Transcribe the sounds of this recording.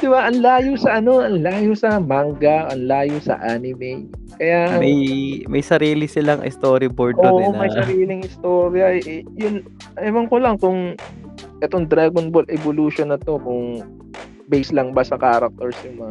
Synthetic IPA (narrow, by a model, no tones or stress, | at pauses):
d̪̥ɪbaʔɐnlaːjosɐʔɐno̞ʔɐnlaːjosɐmaŋɡɐʔɐnlaːjosɐ̰ʔaːnɪmɛjkɐjamɐjmɐ̰jsɐɾiːlɪsɪlɐŋʔɪ̰st̪oːɾɪboɾd̪ːʔomɐjsɐɾiːlɪŋʔɪst̪oːɾjɐjʊn | ɐɪmɐŋkolɐŋkʊŋ | ʔɛt̪oŋd̪ɾaːɡonbolʔɛboluʃonɐt̪o̞kʊŋ | bɛjslɐŋbɐsɐkaːɾɐk̚t̪ɛɹsjʊnmɐŋ